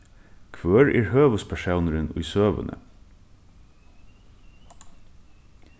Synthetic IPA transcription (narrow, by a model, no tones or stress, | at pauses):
kʰʋøːɹʔḭːɹhøːʋəspʰæʃɑʊnɾʉnʊ̰søːʋə̰nʔə̰